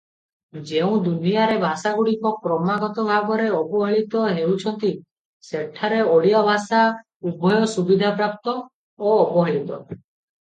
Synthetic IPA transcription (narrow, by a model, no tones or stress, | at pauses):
d͡ʒeũd̪unijaɾebʱasaɡuɽikɔkɾɔmaɡɔt̪ɔbʱaɡɔɾeɔpɔɦeɭit̪ɔɦewt͡ʃʰɔnt̪i | seʈʰaɾeɔɽijɔbʱasa | ubʱɔjɔsubid̪ʱapɾap̚t̪ɔː | pɔɦeɭit̪ɔ